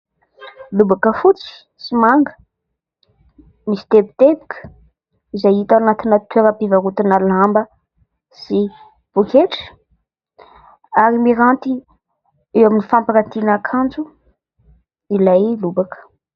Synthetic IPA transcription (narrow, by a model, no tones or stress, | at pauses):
lubakəfut͡si̥ | simaŋɡə̥ | misi̥t̪ebit̪ebi̥kʰə̥ | izajit̪awanat̪inət̪ʰweɾəpivaɾut̪inalambə | si | b̥ukeʈ͡ʂ | aɾimiɾant̪i | ewaminifampaɾat̪inakʰand͡ʒu | ilajlubakə̥